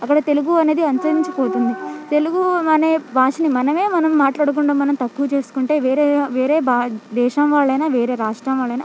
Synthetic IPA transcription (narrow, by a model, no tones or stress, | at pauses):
ɐkːɐɽɐt̪e̞luɡuɐne̞ːd̪iɐnsɐɾiɲt͡ʃɐpoːt̪und̪it̪e̞luɡumɐneːbʱaːʂɐnimɐnɐme̞ːmɐnɐmːaːʈlaːɽuk̬uɳɖaːmɐnɐmt̪ɐkːuʋt͡ʃe̞ːsu̥kuɳʈe̞ːʋeːɾeːʋeːɾeːbaːd̪ɛːʃɐmʋaːɭːɐjnaːʋeːɾe̞ːɾaːʂʈɾaːmʋaːɭːɐjna